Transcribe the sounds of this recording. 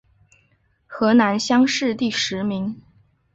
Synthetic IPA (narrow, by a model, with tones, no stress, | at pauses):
xɤ˧˥na˧˥nɕjɑ˥ŋʂɻ̩˥˧t̪i˥˩ʂɻ̩˧˥mi˧˥ŋ